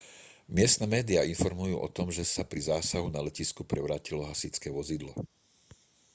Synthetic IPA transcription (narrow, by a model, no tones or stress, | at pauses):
mɪɛst̪nɛːmɛːd̪iainfɔɾmujṵːʔɔ̰t̪ɔmʒɛsapɾizaːsaɦunalɛciskupɾɛʋɾaːcilɔɦasit͡skɛːʋɔzid̪lɔ̰